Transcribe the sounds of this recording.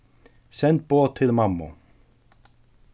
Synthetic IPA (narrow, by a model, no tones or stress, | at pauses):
sɛnt̪̚b̥oːtt̪ʰːɪlmɑmːʊ̰